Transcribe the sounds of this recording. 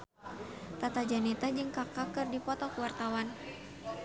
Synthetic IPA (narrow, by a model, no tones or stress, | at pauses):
t̪at̪ad͡ʒanit̪ad͡ʒɨŋkakakɨrdipɔt̪ɔkuwart̪awan